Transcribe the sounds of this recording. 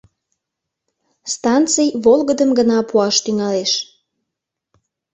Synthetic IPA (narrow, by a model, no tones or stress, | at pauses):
st̪ɑnt̪t͡sijβolˠɣəd̪əmɡənɑpuɑʃt̪yŋɑleʃ